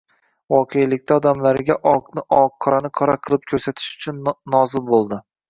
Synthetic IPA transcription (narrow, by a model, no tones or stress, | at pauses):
vɒqʰejlɪk̚ʲt̪ʰaɒd̪amlaɾɡʲaʔɒqnɪʔɒqʰːɒɾanɪqʰɒɾaqʰɨlˠɪp̚kʲʰɵɾsat̪ʰɪ̥ʃʊ̥t͡ʃʰʊnːɒzɪlbolˠd̪ɪ